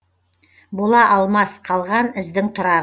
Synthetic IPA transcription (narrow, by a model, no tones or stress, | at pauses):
bolˠɑʔɑlˠmɑsqʰɑlˠʁɑnɪ̆zd̪ɪŋt̪ʰŏɾɑʁ